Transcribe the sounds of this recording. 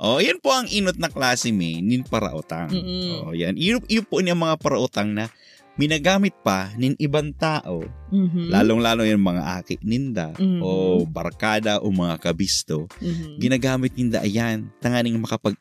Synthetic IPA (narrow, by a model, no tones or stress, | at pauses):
ʔojɐnpoʔɐŋʔiːnot̪̚nɐklaːsɪmɪnɪŋpɐɾɐ̰ʔʊt̪a̰ŋʔojanʔʔɪjʊpoʔnɐŋmɐŋapɐɾɐʔʊt̪aŋnɐ | mɪnaɡaːmɪt̪̚pɐnɪŋʔɪbaŋt̪aːʔo̰laːloŋlaːlojanmɐŋa̰ʔa̰ːkɪ̰ʔnɪnd̪a̰ʔobɐ̰ɾkaːd̪ɐʔomɐŋakɐbist̪o̞ɡɪnaɡaːmɪt̪̚nɪnd̪a̰ʔjant̪ɐŋaːnɪŋmɐkɐpɐɡ̚